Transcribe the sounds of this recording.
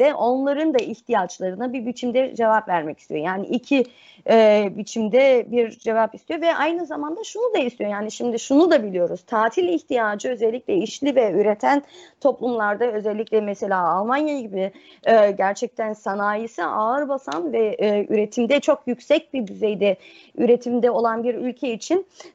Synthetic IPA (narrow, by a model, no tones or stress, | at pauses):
ɛʔo̞nlˠaɾɯnd̪aʔiçt̪ʰijat͡ʃlˠaɾɯnabibit͡ʃʰimd̪ɛd͡ʒe̞vapvæɾmɛci̥st̪ʰijo̞jaːnḭʔicʰi | ɛːbit͡ʃʰimd̪ɛbiɾd͡ʒe̞vapist̪ʰijo̞vɛʔajnɯzamand̪aʃunud̪aist̪ijo̞jaːniʃimd̪iʃunud̪abilʲijo̞ɾuz̥t̪ʰaːt̪ʰilʲiçt̪ʰijaːd͡ʒɯø̞zɛlʲːicʲlʲɛiʃlʲivɛyɾe̞t̪ʰænt̪ʰo̞plˠumlˠaɾd̪aø̞zɛlʲːiclʲɛmɛse̞lʲaːalˠmanjajɟibi | ɛɟæɾt͡ʃʰɛc̚t̪ʰænsanaːjɯsɯʔaːɯɾbasa̰nvɛyɾe̞t̪ʰimd̪ɛt͡ʃʰo̞kjycsɛc̚bid̪yzejd̪ɛ | yɾe̞t̪ʰimd̪ɛo̞lˠanbiɾylʲcʰeit͡ʃʰin